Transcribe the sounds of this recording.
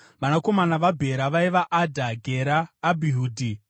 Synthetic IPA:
ʋanako̞manaʋabʱe̞ɾaʋaiʋaʔadʱaɡʱeɾaːbʱiɦuːdʱi

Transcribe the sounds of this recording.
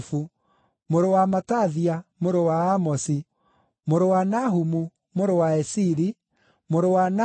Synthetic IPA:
fu | moɾowamataðiamoɾowaamɔsi | moɾowanaɦumu | moɾowaɛsiɾi | moɾowana

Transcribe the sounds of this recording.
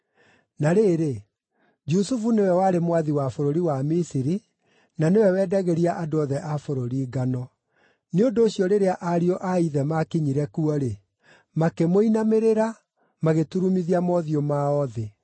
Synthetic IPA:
naɾeɾe | d͡ʒusufunewɛwaɾemwaðiwafoɾoɾiwamisiɾi | nanewɛwɛːdaɣɛɾiaʔadoɔðɛʔafoɾoɾiːɡanɔ | neondoːɕjɔɾeɾeaʔaɾiɔʔaiðɛmakiɲiɾɛkuɔɾe | makemoinameɾeɾa | maɣetuɾumiðiamɔðiomaɔðe

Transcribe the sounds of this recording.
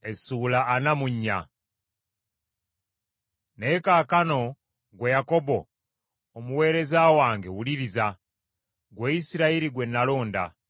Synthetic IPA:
esulaːnamuɲːa̰ | ne̞kaːkano̞ | ɡwejako̞bo̞ː | muwe̞ːɾe̞zawaːŋɡewuliɾiza | ɡweisiɾaiɾiɡwenːalo̞ːnda̰

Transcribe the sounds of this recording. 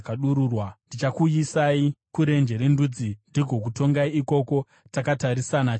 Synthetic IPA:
kaɗuɾuːrwandit͡ʃakujisaikuɾe̞nd͡ʒe̞ɾendud͡zindiɡʱo̞k̬uto̞ŋɡaiiko̞ko̞ | takataɾisana

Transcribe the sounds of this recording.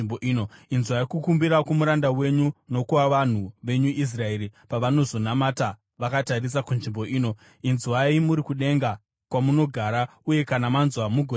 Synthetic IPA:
boinoinzwaikukumbiɾakomuɾandawe̞ɲuno̞kuʋaʋan̤uʋe̞ɲuʔis̬rae̞ɾipaʋano̞zo̞namata | ʋakataris̬akunʐimbo̞ʔiːno̞ | inzwaimuɾikuɗe̞ŋɡa | kwamuno̞ɡʱaːɾa | uje̞kanamanzwamuɡʱo

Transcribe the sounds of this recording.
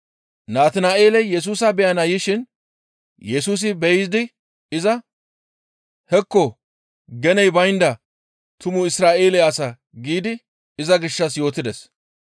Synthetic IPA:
naːt̪ɪnaːʔe̞ːlɛjjɛs̬uːsɐbɛjɐnɐjɪʃɪn | jɛsuːs̬ɪbɛjɪzɪd̪ɪ | ɪzɐ | hɛkːɔ | ɡɛnɛjbɐjnd̪ɐ | t̪ʊmʊɪsɾaːʔeːlɛjɐsɐ | ɡiːd̪ɪ | ɪzɐɡɪʃːɐs̬jo̞ːt̪ɪd̪ɛs

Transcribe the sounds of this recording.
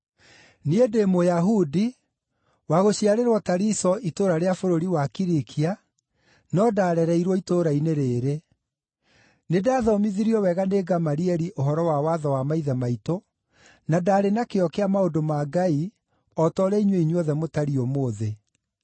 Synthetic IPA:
niedemojaɦudi | waɣoɕiaɾeɾwɔtaɾisɔʔitoɾaɾeafoɾoɾiwakiɾikʰia | nɔdaːɾɛɾɛiɾwɔitoɾaineɾeːɾe | nedaːðɔmiðiɾiɔwɛɣaneːɡamaɾiɛɾiʔoɦɔɾɔwawaðɔwamaiðɛmaito | nadaːɾenakeɔkeamaodomaɡai | ɔtɔɾɛiɲweiɲwɔðɛmotaɾiɔmoːðe

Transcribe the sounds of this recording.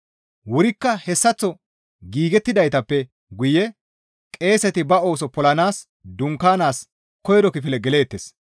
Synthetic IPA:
wʊɾɪkːɐhɛsːɐt͡sːɔ | ɡiːɡɛt̪ːɪd̪ɐjt̪ɐpːɛ | ɡʊjɛ | kʼe̞ːsɛt̪ɪbɐo̞ːsɔpɔlɐnaːs | d̪ʊŋkːaːnaːs | kɔjɾɔkɪfɪlɛɡɛle̞ːt̪ːes

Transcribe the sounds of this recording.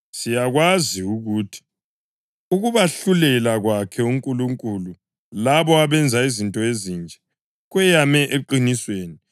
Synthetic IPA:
sijaɣwaziuɣuːtʰi̥ | uɣuβaɬulɛlaɣwakʰɛuŋkʼuluŋkʼulu | laβɔaβɛnd͡zʱaizintʼɔezind͡ʒʱɛ̥ | ɣwɛjamɛʔeǃinisweːni

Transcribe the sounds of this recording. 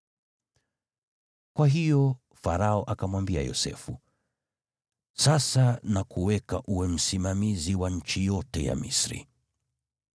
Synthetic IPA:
kwaɦijɔ | faɾaɔʔakamwambia̰jɔ̰sɛ̰fu | sasanakuwɛkaʔuwɛm̩simamiziwaɲ̩t͡ʃijɔtɛja̰mḭsɾḭ

